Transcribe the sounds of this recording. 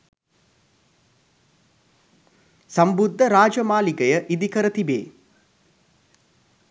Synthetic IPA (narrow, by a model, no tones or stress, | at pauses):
sɐmbud̪ʱːɐɾaːd͡ʒɐmaːliɡɐjɐʔid̪ikɐɾɐt̪ibḛː